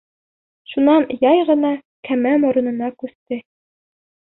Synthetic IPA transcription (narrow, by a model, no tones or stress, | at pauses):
ʃunɑnjɑjʁɤ̆nɑ | kʰæmæmŏɾŏnɤ̆nɑkʉθt̪ɘ